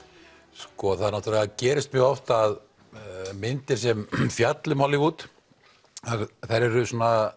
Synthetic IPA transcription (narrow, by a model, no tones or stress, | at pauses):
skɔθaðnɔht̪ɾlɛɣacɛːɾɪst̪mjœːɣɔft̪aːð | mɪnt̪ɪɾ̥s̬ɛmfjat̪lɪmhɔlːɪɣuːt̪ | aɾθajɾɛɾʏsɔːnːa